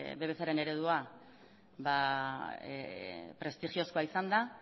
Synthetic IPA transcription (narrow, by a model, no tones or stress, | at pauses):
βe̞β̞e̞saɾe̞ne̞ɾe̞ð̞ua | βa | pɾe̞st̪ixio̞skoaisand̪a